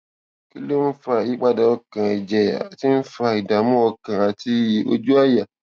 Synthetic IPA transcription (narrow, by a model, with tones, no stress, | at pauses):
ki˦lo˦n̩˦fa˧i˦k͡pa˧da˧˨ɔ˧kã˨ɛ˨d͡ʒɛ˨a̰˨ti˦n̩˦fa˧i˨da˨mũ˦ɔ˧kã˨a˨ti˧˦˨o̰˦d͡ʒu˦a˦ja˨